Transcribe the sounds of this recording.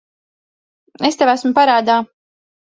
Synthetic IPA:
est̪evæsmupaɾaːd̪aː

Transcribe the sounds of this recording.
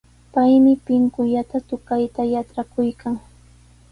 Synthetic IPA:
pajmɪpɪŋkʊʎat̪at̪ʊkajt̪ajaʈ͡ʂakʊjkʰaŋ

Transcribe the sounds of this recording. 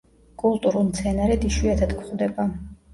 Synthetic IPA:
kʼulˠt̪ʼuɾulˠmt̪sʰɛnaɾɛd̪iʃwiat̪ʰad̪kʰχd̪ɛba

